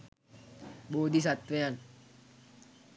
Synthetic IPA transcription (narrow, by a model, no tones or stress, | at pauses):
boːd̪ʱis̬at̪ʋejan